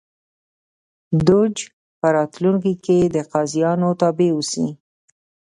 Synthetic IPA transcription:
d̪ʊd͡ʒ | pəɾɑt̪luŋkiked̪əqɑzijɑnot̪ɑbeusi

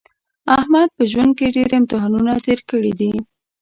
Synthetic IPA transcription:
ahmɑd̪̚pəʒwand̪̚keɖeɾemt̪ɪɦanunat̪eɾkəɽid̪i

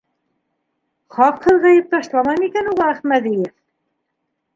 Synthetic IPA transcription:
χɑqhɤ̆ðʁɑjɤ̆p̚t̪ɑʃlˠɑmɑjmikænuʁɑæχmæd̪ijɘf

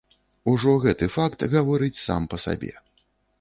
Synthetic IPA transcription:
uʐɔɣɛt̪ɨfakt̪ɣavɔɾɨt͡sʲsa̰mpɐsa̰bʲɛ̰

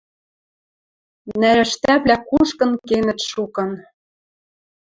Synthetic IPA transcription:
næɾɘ̆ʃt̪æβlækuʃkɤ̆nkenɘ̆t̪ʃukɤ̆n

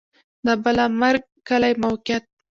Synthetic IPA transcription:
d̪abəlamaɾɡ̚ːalajmawkjat̪̚

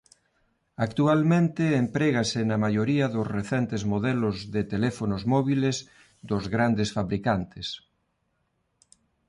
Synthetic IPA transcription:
akt̪ualmẽnt̪eːmpɾeɣasenamajoɾiɐðʊsreθɛnt̪ezmoðɛlʊzðet̪elɛfonozmɔβilez | d̪ʊzɣɾand̪esfaβɾikant̪es

